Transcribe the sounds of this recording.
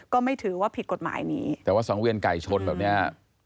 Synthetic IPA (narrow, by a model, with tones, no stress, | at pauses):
kɔː˥˩ma˥˩jt̪ʰɯː˩˦waː˥˩pʰi˨˩t̪̚ko˨˩t̪̚ma̰ː˩˦jnḭː˦˥˨waː˥˩sɔː˩˦ŋwi˧ənka˨˩jt͡ɕʰo˧nbɛː˨˩p̚ni˦˥˩ɐ